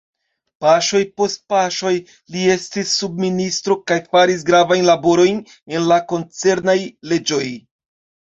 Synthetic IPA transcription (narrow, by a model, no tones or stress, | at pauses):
paʃo̞jpo̞st̚paʃo̞j | lie̞stisːub̚ministɾo̞kajfaɾis̬ɡɾavajnlabo̞ɾo̞jn | e̞nlako̞nt͡se̞ɾnajle̞d͡ʒo̞j